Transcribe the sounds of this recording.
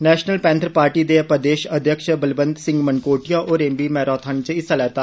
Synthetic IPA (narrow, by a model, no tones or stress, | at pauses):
nɛːʃnəlpɛ̃ːnt̪ʰɾpaːɾʈiːd̪eːpəd̪eːʃəd̪ʱjəkʃbəlbə̃nd̪sɪ̃ŋɡmənkoːʈijaːʔoːɾẽːmbiːmɛːɾaːt̪ʰant͡ʃəɪsalɛːt̪aː